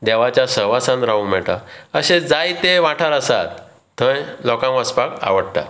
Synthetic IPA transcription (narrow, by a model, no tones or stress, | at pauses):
d̪ɛʋat͡ɕjasəɦʋasãnɾaũm̤ɛʈ̪aəɕed͡zajt̪eʋaʈʰaɾəsa̰t̪ː | əjlɔkãmʋəspaka̰ʋəɽt̪a̰